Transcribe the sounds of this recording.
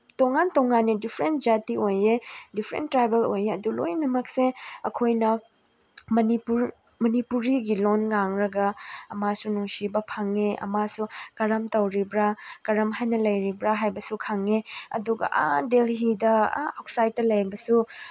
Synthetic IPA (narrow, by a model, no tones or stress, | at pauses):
tɔŋːantɔŋːanːedipʰɾentd͡ʒatiojedipʰɾḛntːɾajbelojeɐdulo̰jnɐmɐk̚seɐkʰojnɐ | mɐnipuɾ | mɐnipuɾiɡilonŋaŋɾɐɡɐɐmasunuŋsibɐpʰaŋeɐ̰masukɐɾɐmtɐwɾibɾakɐɾɐmɦajnɐlɐjɾibɾaɦajbɐsukʰaŋeɐ̰duɡɐ̰ʔa̰delɦidɐ̰awk̚sajt̚ːɐlɐjbɐsu